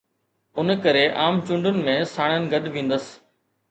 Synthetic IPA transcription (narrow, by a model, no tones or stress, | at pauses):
ʊnkəɾeʔaːmt͡ʃʊ̃ɳɖʊnɪ̆mẽːsaːɽ̃ənɪ̆ɡəɗʋĩːnd̪əs